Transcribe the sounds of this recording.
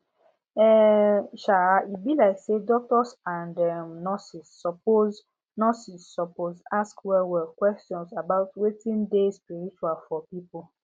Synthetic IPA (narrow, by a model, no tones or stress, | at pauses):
ɛʃaaibilaɪksedɔk̚tɔsãndɛmnɔsisːɔpo | nɔsisːɔpozaskwɛwɛkwɛstjɔ̃nsabaʊtwetĩndespiɹit͡ʃualfɔpipol